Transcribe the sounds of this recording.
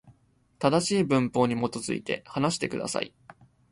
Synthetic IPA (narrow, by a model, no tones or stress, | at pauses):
t̪ad̪aɕiːbɯ̟̃mpo̞ːɲ̟imo̞t̪o̞zɨ̰ḭt̪e̞hanaɕi̥t̪e̞̰kɯ̟d̪a̰sa̰ḭ